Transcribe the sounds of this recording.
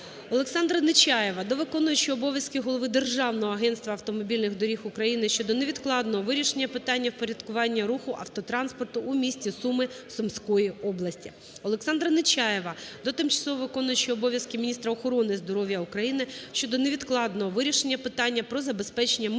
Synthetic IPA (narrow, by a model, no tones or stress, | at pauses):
ɔlˠeksɑnd̪ɾɐnɪt͡ʃʲɑjeʋɐd̪ɔʋɪkɔnʊjʊt͡ʃɪɔbɔʋʲjɐskɪɦɔlˠɔʋɪd̪erʒɑwnɔɦɔɐɦɛnst̪ʋɐɐwt̪ɔmɔbʲilʲnɪɣd̪ɔɾʲixʊkɾɐjinɪʃt͡ʃɔd̪ɔneʋʲid̪klˠɑd̪nɔɦɔʋɪɾʲiʃenʲːɐpɪt̪ɑnʲːɐwpɔɾʲɐd̪̥kʊʋɑnʲːɐɾuxʊʔɐwt̪ɔt̪ɾɑnspɔrt̪ʊʔːmʲisʲtʲisumɪ | sʊmsʲkɔjiɔblˠɐsʲtʲi | ɔlˠeksɑnd̪ɾɐnɪt͡ʃɑjeʋɐd̪ɔt̪ɪmt͡ʃɐ̥sɔɦɔʋɪkɔnʊjet͡ʃɪɔbɔʋʲjɐskɪmʲinʲist̪ɾɐɔxɔɾɔnɪzd̪ɔɾɔʋʲjɐukɾɐjinɪʃt͡ʃɔd̪ɔneʋʲid̪klˠɑd̪nɔɦɔʋɪɾʲiʃenʲːɐpɪt̪ɑnʲːɐpɾɔzɐbe̞spɛt͡ʃenʲːɐm